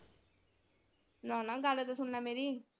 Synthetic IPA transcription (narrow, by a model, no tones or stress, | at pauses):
nɔnaɡaɽet̪asunnameɾi